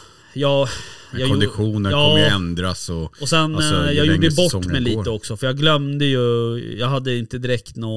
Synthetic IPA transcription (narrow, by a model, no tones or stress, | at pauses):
jɑːjɑɡɔnd̪ɪɧuːnəɑɔːɛnd̪ɾasɔɔsɛnjɑːɡuːɖːəjbɔʈːmmɛjliːt̪əɔksɔfəɾjɑːɡlœmd̪əjɵjɑːɡɦad̪ːəɪnt̪əd̪ɪɾɛkt̪nɔ